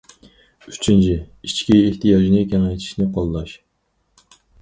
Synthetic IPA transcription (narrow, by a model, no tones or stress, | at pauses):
yt͡ʃʰint͡ʃʰiit͡ʃkʲiːht̪ʰijɑʒnɨkʲɛŋɛjt̪ʰi̥ʃnɪqʰolˠlˠɑʃ